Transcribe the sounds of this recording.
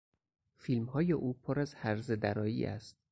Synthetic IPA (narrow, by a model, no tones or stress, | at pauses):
fiːlmhɒːje̞ʔuːpʰoɾæzhæɾzed̪æɾɒːjḭːʔæ̰st̪̚